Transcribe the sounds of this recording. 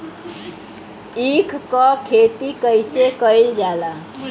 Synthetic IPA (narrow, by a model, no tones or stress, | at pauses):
ikʰkɔkʰet̪ikəjsekəild͡ʒala